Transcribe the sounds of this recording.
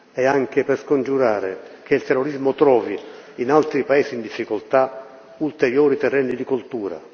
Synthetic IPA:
ɛaŋk̟eperskond͡ʒuɾaːɾḛ | k̟eilt̪ɛrːoɾizmʊt̪ɾɔːviinalt̪ɾipaɛːsiːnd̪ifːikolt̪a | ult̪eɾjɔːɾit̪ɛrːɛnːid̪ikult̪uːɾa̰

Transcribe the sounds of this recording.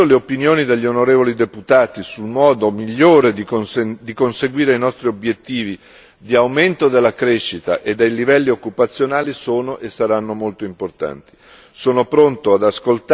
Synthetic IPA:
oleopinjoːnid̪eʎːionoɾeːvolid̪eput̪aːt̪isulmɔːd̪omiʎːoːɾed̪ionsd̪ikonseɡwiːɾejnɔst̪ɾiobjet̪ːiːvi | d̪iawment̪od̪elːakɾeʃːit̪a̰ʔed̪ːejlivɛlːiokːupat̪sːjonaːlisoːnoʔesːaɾanːomolt̪oimport̪a̰nt̪i | soːnopɾont̪oad̪askolt̪

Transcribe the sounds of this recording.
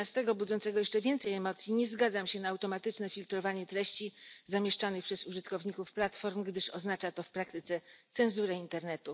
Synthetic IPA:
ast̪ɛɡɔbud̪zɔnt̪sɛɡɔjɛʂt͡ʂɛvʲjɛnt̪sɛjɛmɔt̪sʲjiɲɛzɡad̪zamɕɛnaːwt̪ɔmat̪ɘt͡ʂnɛfʲilt̪ɾɔvaɲɛt̪ɾɛɕt͡ɕizamʲjɛʂt͡ʂanɘxpʂɛzuʐɘt̪kɔvɲikufplat̪fɔɾmɡd̪ɘʂɔznat͡ʂat̪ɔfpɾakt̪ɘt̪sɛt̪sɛ̃nzuɾɛint̪ɛɾnɛt̪u

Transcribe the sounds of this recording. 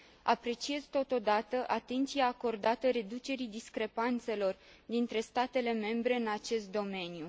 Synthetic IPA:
apɾe̞t͡ʃie̞zt̪o̞t̪o̞d̪at̪əʔat̪e̞nt̪siaːko̞rd̪at̪əɾe̞d̪ut͡ʃe̞ɾid̪iskɾe̞pant̪se̞lo̞r | d̪int̪ɾe̞st̪at̪e̞le̞me̞mbɾe̞ɨnat͡ʃe̞st̪̚d̪o̞me̞nju

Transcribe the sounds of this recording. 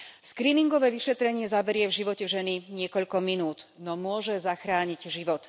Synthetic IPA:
skɾiːniŋɡɔʋɛːʋiʃɛt̪ɾɛɲɪɛzabɛɾɪɛvʒiʋɔcɛʒɛniɲɪɛkɔʎkɔminuːd̪nɔmʊɔʒɛzaxɾaːɲiɟʒiʋɔt̪

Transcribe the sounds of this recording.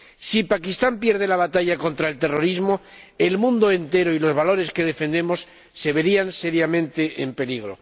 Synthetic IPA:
sipakist̪ampje̞ɾð̞e̞laβat̪aʝako̞nt̪ɾae̞lt̪e̞ro̞ɾizmo̞ | e̞lmũnd̪oe̞nt̪e̞ɾoilo̞zβalo̞ɾe̞ske̞ðe̞fe̞nd̪e̞mo̞sː | e̞βe̞ɾianse̞ɾjamẽ̞nt̪e̞ʔempe̞liɣ̞ɾo̞̰

